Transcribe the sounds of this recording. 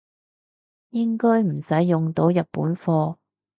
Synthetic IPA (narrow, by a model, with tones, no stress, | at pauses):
jɪ˥ŋkɔː˥jm̩˨˩sɐ˨˥jːʊ˨ŋt̪o˨˥wjɐ˨t̚pːṵː˨˥nfɔː˧